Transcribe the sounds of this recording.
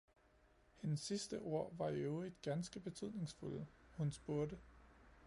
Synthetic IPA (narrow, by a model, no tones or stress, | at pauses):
henəsːisd̥əʔo̝ɐ̰ʋɑ̈eʊid̥̚ɡ̥ænsɡ̥əb̥e̝t͡sʰyð̰ˠne̝ŋsfulhunsb̥o̝ɐd̥ə